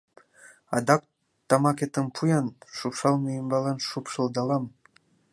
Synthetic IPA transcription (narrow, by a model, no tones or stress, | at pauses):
ɑd̪ɑk̚ | t̪ɑmɑket̪əmpʰujɑnʃupʃɑlˠmyjəmbɑlɑnʃupʃɤ̆lˠd̪ɑlɑm